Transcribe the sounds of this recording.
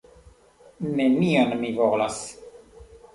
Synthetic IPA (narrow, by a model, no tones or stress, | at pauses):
nemionmivolas